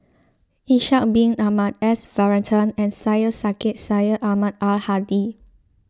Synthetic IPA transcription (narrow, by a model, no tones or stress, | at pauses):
ĩnʃat̚bĩŋamatɛsvɛɹə̃ntʰə̃nɛ̃nsajəsaket̚sajəʔamatalhadi